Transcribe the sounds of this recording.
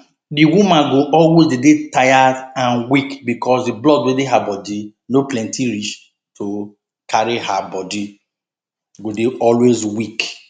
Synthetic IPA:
diwumãɡoʔɔlwezdedetajadãnwikbikɔsdiblɔdwedeɦabɔdi | noplɛ̃ntiɾit͡ʃ | to | kʰaɾiɦabɔdi | ɡodeɔlwezwik

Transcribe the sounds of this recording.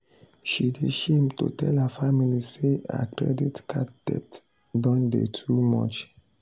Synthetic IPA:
ʃideʃĩmto̰tʰɛlhafamilisea̰kʰɹɛ̰ditkʰatd̥ɛ̰t | dɔ̃ndḛtʰumɔ̰t͡ʃ

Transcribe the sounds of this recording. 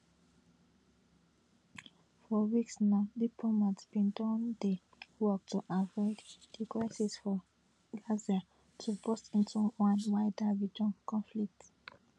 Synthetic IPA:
fɔwiksnaʊdipʰlomatsb̥ĩndɔ̃nde | wɔk̚tʰuʔavɔɪdd̥ikɹasisfɔ | ɡlazia | tʰubɔstĩntʰuwãnwaɪdaɹid͡ʒɔ̃nkʰɔ̃nflik̚t

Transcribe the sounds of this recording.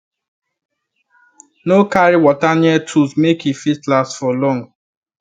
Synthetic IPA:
nokaɾiwɔtanjɛtʰuzmekifistlasfɔlɔ̃ŋ

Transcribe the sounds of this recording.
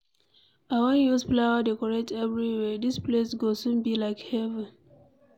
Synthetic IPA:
awãnjuzplawadekɔɹetɛvɹiwɛdisplesɡosũnbilaɪkhɛvɛ̃n

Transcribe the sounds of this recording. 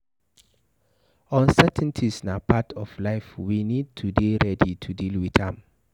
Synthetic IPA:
ɔ̃nsɛtʰɛ̃ntʰisnapʰatʰɔflaɪfwinid̚tʰudeɹɛditʰudilwiθãm

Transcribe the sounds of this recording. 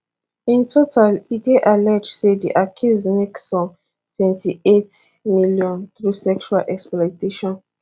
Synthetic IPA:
ĩntʰotʰaliɡeʔalɛd͡ʒsediʔakʰizmeksɔ̃m | tʰwɛ̃ntietmiljɔ̃nθɹusɛkt͡ʃualʔɛksplɔteʃɔ̃n

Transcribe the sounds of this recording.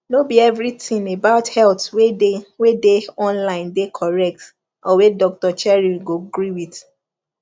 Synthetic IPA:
nobiɛvɹitʰĩmebaʊthɛltwedewedeɔ̃nlãɪ̃ndekʰɔɹɛk̚t | ɔwedɔk̚tɔt͡ʃɛɹiɡoɡɾiwit

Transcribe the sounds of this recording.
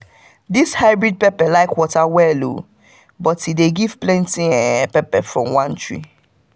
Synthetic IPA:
dishaɪbɹid̚pɛpɛlaɪkwɔtawɛlo̰ | bɔtideɡiv̥plɛ̃ntĩɛ̃pɛpɛfɹɔ̃mwãntɹḭ

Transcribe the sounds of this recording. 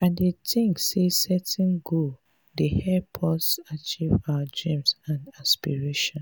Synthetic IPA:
ãndetʰĩŋsesɛtɛ̃nɡo | dehɛpʰɔsat͡ʃivawadɹĩmsãnaspiɹeʃɔ̃n

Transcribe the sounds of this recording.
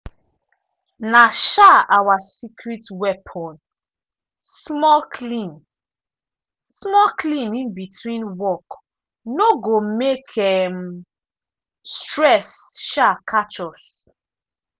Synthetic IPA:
naʃaawasikʰɹitwɛpʰɔ̃n | smɔkʰlĩn | smɔklĩnĩnbitʰwĩnwɔk | noɡomekʰɛm | stɹɛsʃakʰat͡ʃɔs

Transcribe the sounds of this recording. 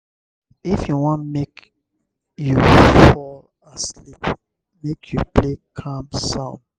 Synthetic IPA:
ifjuwɔ̃nmek | jufɔl | aslip | mekʰjupʰlekʰãmsɔ̃m

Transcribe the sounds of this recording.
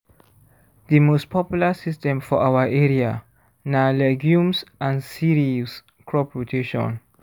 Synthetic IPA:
dəmostpʰɔpjulasistɛ̃mfɔʔawəʔɛɹia | nalɛɡjũmsʔãnsiɹis | kʰɹɔpɹotʰeʃɔ̰̃n

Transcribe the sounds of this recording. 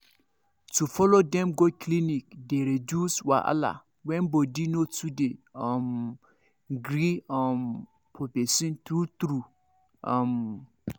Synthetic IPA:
tʰufɔlodɛ̃mɡokʰlinik̚deɾeduswa̰ʔa̰la̰ | wɛ̃nbodinotʰudeɔ̃m | ɡɾiãm | pʰobesĩnt̪ɾut̪ɾu | ãm

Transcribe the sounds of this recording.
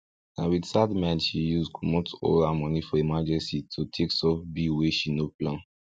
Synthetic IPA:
ãnwidsadmɛ̃nʃijuzkʰɔmotʰo̰lamɔnifɔemad͡ʒɛ̃nsitʰutʰeksɔfbiweʃinoplãn

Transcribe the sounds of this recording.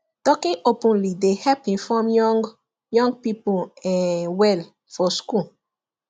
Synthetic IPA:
tɔkĩʔopũnlidehɛpĩnfɔm | jɔ̃ŋɡ̚pipuɛ̃wɛl | fɔsku

